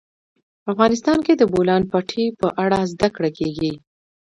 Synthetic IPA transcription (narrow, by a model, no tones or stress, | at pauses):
afɣɑnɪst̪ɑnked̪əbolɑnpaʈʰipəʔaɽazd̪akɽakeɡi